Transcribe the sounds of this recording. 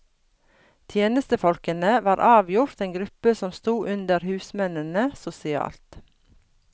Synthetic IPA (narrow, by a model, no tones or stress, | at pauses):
t̪ʰjeːnəst̪əfɔlkənəʋɑːɾʔɑːʋjʊɾt̪eːŋɡɾʉpəsɔmst̪uːʔʉnd̪əɾhʉːsmɛnənəsʊsɪɑ̰ːlt̪